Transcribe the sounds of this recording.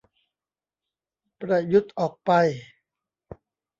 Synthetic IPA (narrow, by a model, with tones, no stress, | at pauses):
pɾa˧ju˦˥t̪̚ʔɔː˨˩k̚pa˧j